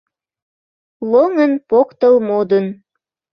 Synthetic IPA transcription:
lˠoŋənpokt̪ɤlˠmod̪ə̆n

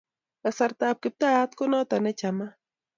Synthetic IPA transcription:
asaɾt̪ap̚kɪp̚t̪ajat̪konot̪anɛt͡ʃama

